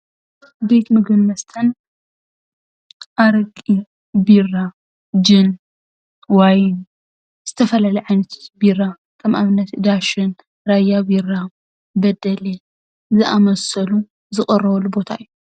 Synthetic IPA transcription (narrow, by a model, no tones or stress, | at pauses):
be̞t̪mɨɡɨnmɐst̪ʰɐn | ʔaɾɨkʼi | bira | d͡ʒɨn | wajn | z̥ɨt̪ʰɐfɐlalɐjʕajnɐt̪ʰo̥t̪bira | kʰɐmʔaβɨnːɐt̪d̪aʃɨn | ɾajːabira | bɐd̪ɐle | zɨʔamɐsɐlu | zɨχʼɐrːɐβɐlːubo̞t̪ʰaʔɨjːu